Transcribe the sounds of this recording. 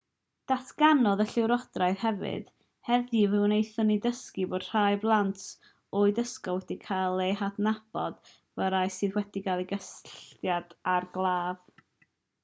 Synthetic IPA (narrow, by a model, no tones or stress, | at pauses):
d̥atʰɡ̥anɔðəɬɪwɾɔd̥raɨð̥hɛvɨ̰d̥ | hɛðivɨwnejθɔnidəskiboːd̥r̥ajblˠant | ɔɨdəskɔwɛdikʰajlˠehadnab̥ɔ̰d̥ | vəɾajsɨðwɛd̥iɡalˠiɡəsɬtjad̥arɡlˠaːv̥